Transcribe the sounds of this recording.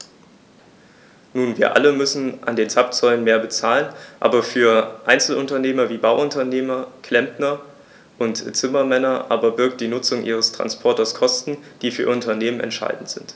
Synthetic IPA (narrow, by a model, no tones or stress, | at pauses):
nuːnviːɐʔa̰ləmʏsn̩ʔa̰ndeːnt͡sap̚t͡sɔʏlənmeːɐbət͡saːlənʔa̰ːbɐfyːɐʔaɪnt͡sl̩ʔʊntɐneːmɐviːbaʊʔʊntɐneːmɐkʰl̥ɛmpnɐ | ʔʊntt͡sɪmɐmɛnɐʔaːbɐbɪɐk̚t̚d̥iːnʊt͡sʊŋʔiːʁ̞əstʁ̥a̰nspʰɔɐtɐskʰɔstn̩d̥iːfyːɐʊntɐneːmənʔɛ̰ntʃa̰ɪdn̩tz̥ɪnt